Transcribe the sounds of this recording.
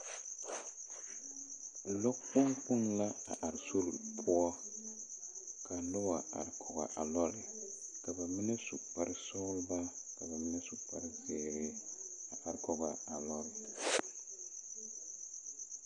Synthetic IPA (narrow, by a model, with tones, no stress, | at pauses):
lɔ˦k͡pʊ˦ŋk͡pʊ˦nla˦a˨ʔa˨ɾsu˦ɾpʰʊ˦ɔ˦ | ka˨lɔ˦wa˨a̰˨ɾkʰɔ˨ɡa̰˨ʔa˨lɔ˦lɪ˨ka˨ba˨mɪ˦na˦sṵ˨pa˦ɾɪ˦sɔ˦lba˦ka˨ba˨mɪ˦nɛ˦su˨pa˦ɾɪ˦feː˨ɾɪ˦a˨ʔa˨ɾkɔ˨ɣa˨a˨lɔ˦lɪ˨